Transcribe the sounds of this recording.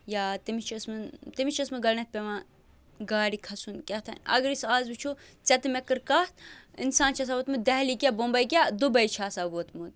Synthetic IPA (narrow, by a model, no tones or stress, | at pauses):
jaːt̪imit͡ʃʰɐsmɨt̪imit͡ʃʰɐsmɨɡɐlnɐt̪̚pʲemãː | ɡaːɾikʰɐsunkʲɐt̪ʰɐ̰nʲɐ̰ɡɾisaːzbut͡ʃʰu | t͡sɐt̪mɛkɨɾkat̪ḭnsaːnt͡ʃʰas̬aːʋoːt̪mud̪ɐɦlikʲabombɐjkʲad̪ubɐjt͡ʃʰaːsaʋoːt̪mud̪̚